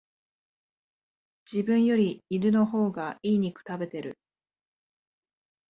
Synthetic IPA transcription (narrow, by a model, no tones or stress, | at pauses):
d͡ʑibɯ̟̃ɰ̃jo̞ɾʲiːɾɯ̟no̞ɦo̞ːɡaiːɲ̟ikɯ̟̥t̪abe̞t̪e̞ɾɯ̟